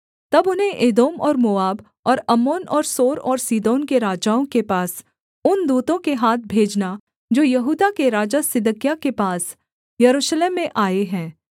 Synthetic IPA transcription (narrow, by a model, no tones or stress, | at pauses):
t̪ɐbʊnɦẽʔeːd̪oːmɔːɾmoːaːb | ɔːɾɐmoːnɔːɾsoːɾɔːɾsiːd̪oːnkeɾaːd͡ʒaːõkepaːs | ʊnd̪uːt̪õkeɦaːt̪̚ʰbʱeːd͡ʒna | d͡ʒoːjɐɦuːd̪akeɾaːd͡ʒasɪd̪əkijakepaːs | jɐɾuːʃleːmːẽʔaːeɦɛ̃ː